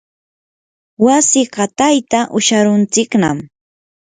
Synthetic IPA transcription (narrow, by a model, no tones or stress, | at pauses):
wasɪɢɑt̪ajt̪aʔʊʃaɾʊnt͡sɪkna̰m